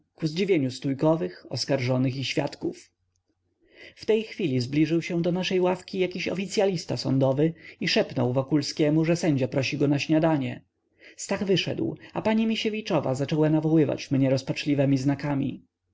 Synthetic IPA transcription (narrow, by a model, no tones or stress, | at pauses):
kuzd͡ʑivʲjeɲust̪ujkɔvɘxɔskaɾʐɔnɘxiɕfʲja̰t̪kuf | ft̪ɛjxfʲilʲizblʲiʐɘwɕɛ̃d̪ɔnaʂɛjwafkʲijakʲiɕɔ̰fʲit̪sʲjalʲist̪asɔnd̪ɔvɘiʂɛpnɔwvɔkulskʲɛmuʐɛsɛɲd͡ʑapɾɔɕiɡɔnaɕɲad̪aɲɛ̰ | st̪aɣvɘʂɛ̰d̪wapaɲimʲiɕevʲit͡ʂɔva̰zat͡ʂɔwanavɔwɘva̰t͡ɕmɲɛɾɔspat͡ʂlʲivɛmʲiznakamʲḭ